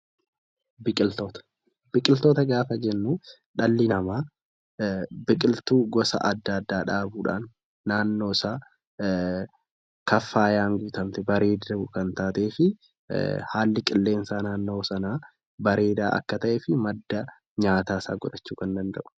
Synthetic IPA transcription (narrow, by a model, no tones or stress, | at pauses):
bɪkʼɪlt̪oːt̪ɐ̥ | bɪkʼɪlt̪oːt̪ɐɡaːfɐd͡ʒɛnːuː | ᶑɐlːɪnɐmaː | bɪkʼɪlt̪uːɡɔsɐ̰ʔɐd̪ːɐːd̪ːaːᶑaːbuːᶑa̰ːnː | aːnːo̞ːsaː | kɐfːaːjaːŋɡuːt̪ɐmt̪ɪbɐɾe̞ːd̪ɐʊkɐnt̪aːt̪eːfɪ | haːlːɪkʼɪlːe̞ːnsaːnaːnːo̞ːsɐnaː | bɐɾe̞ːd̪aːʔɐ̰kːɐt̪ɐʔeːfɪmɐd̪ːɐ | ɲaːt̪aːsa̰ːɡɔᶑɐt͡ʃːuːkɐnd̪ɐnd̪ɐʔʊ̥